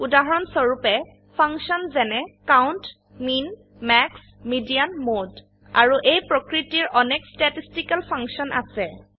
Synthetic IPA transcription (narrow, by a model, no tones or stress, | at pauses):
udaɦɔɹɔnsɔɹupɛ | pʰaŋksɔnzɛnɛkawnt | min | mɛks | midijanmod | a̰ɹuʔejpɹɔkɹitiɹɔnɛkstatistikalpʰaŋksɔnʔa̰sɛ